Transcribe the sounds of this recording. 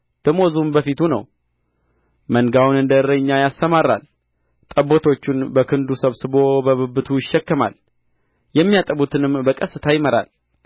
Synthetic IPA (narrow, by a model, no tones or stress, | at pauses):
b̪̥əmozumbəfit̪ʰunə̰w | məŋɡawunɨnd̪əɾəɲːajast̪əmaɾa̰l | t̪ʼəbːot̪ʰo̞t͡ʃːunbəkʰɨnd̪usəβsɨβo̞bəβɨbːɨt̪ʰujɪʃːɛkːɨma̰l | jɛmːijat̪ʼəβut̪ʰɨnɨmbəkʼəsːɨt̪ʰajɪməɾa̰l